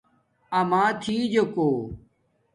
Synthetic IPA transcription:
əmãːt̪ʰiːd͡ʑokoː

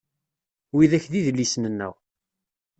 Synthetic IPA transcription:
wiðæçðiðəlːisnənːæ̰w

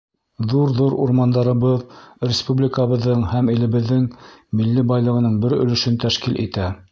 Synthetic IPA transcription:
ðuɾðuɾṵɾmɑnd̪ɑɾɤ̆βɤðɾʲɪspublʲɪkəβɤ̆ðːɤɴhæmilɘ̆βɘ̆ðːɘŋmilːibɑjlˠɤ̆ʁɤ̆nɤɴbɘɾɵ̰̆lɵ̆ʃɵnt̪æʃkilʔḭt̪æ

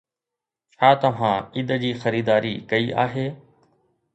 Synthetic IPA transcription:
t͡ɕʰaːt̪ɐʋ̤ãːɪd̪d͡ʑiːxɐɾiːd̪aːɾiːkɐiːʔa̰ːɦeː

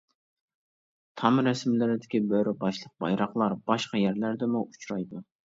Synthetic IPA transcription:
t̪ʰɑmɾɛsmɪlɪɾɪd̪ɪkʲibøɾɪbɑʃlˠəq̚bɑ̰jɾɑχlˠɑɾb̥ɑʃqɑjæɾlæɾd̪ɪmuʔut͡ʃɾɑjd̪u

